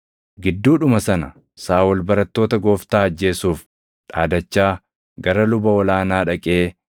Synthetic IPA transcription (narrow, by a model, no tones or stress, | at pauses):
ɡɪd̪ːuːᶑʊmɐsɐnɐ̰ | saːwɔlbɐɾɐt̪ːo̞ːt̪ɐɡo̞ːft̪aːɐd͡ʒːe̞ːsuːf | ᶑaːd̪ɐt͡ʃːaː | ɡɐɾɐlʊbɐɔlaːnaːᶑɐkʼe̞ː